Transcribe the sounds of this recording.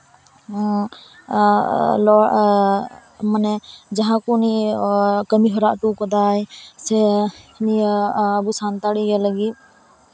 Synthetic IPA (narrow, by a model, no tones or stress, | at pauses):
lɔ | manɛd͡ʒaɦãkuni | kəmiɦɔɾaʔʈukɔd̪ajsɛniːbusant̪aɽiɡɛləɡit̪̚